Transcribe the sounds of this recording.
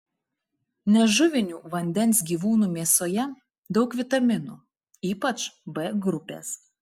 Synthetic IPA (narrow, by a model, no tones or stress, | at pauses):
nʲɛʒʊʋʲɪnʲuːʋɐnʲd̪ʲɛnʲˑsʲɡʲiːʋuːnuːmʲiɛsoːjɛ | d̪ɒʊkʋʲɪt̪ɐmʲɪnṵː | iːpɐt͡ʃbɛɡɾʊpʲḛːs